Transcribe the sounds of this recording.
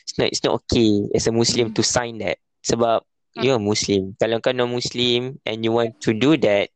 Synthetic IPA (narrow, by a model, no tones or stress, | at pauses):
isnɔ̰tḭtsnɔ̰tokʰeɛ̰səmuslĩmtusãj̃ndɛ̰t̚ | səbap̚ | juəmuslĩmkalõŋkanɔmuslĩmʔɛ̰̃njuwɔ̃ntʰːududɛt̚